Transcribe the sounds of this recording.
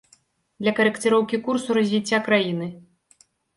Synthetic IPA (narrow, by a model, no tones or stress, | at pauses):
d̪lʲɐkɐɾɨkt̪ɨɾɔwkʲikursuɾɐzʲvʲit͡sʲːakɾajinɨ